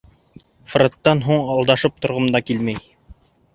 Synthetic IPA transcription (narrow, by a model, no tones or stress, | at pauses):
frot̪ːɑnɦuɴɑlˠd̪ɑʃɤp̚t̪ŏɾʁɤ̆md̪ɑkilmæj